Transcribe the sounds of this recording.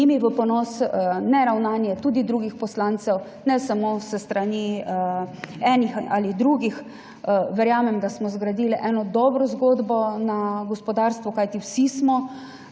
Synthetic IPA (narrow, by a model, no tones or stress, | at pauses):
imiʋəpɔnɔsnɛɾawnanjɛt̪uːd̪id̪ɾuːɡixpɔslant̪sɛw | nɛsamosəst̪ɾani | ɛːnixʔalid̪ɾuɡix | ʋɛɾjaːmɛmd̪asmɔzɡɾad̪iːlʔɛnɔd̪ɔːbɾɔzɡoːd̪bɔnaɡɔspɔd̪aɾst̪ʋɔkajt̪iwsismɔ